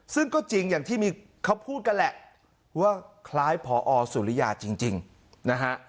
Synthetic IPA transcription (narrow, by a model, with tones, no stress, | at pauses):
sɯ˥˩ŋkɔː˥˩t͡ɕi˧ŋjaː˨˩ŋt̪ʰiː˥˩miː˧ | kʰa˦˥wpʰuː˥˩t̪̚ka˧nlɛ˨˩ʔ | waː˥˩kʰlaː˦˥jpʰɔː˨˦ʔɔː˧su˨˩˦li˦ja̰ː˨˩t͡ɕi˧ŋt͡ɕi˧ŋ | na˦˥kʰa˦˥ʔ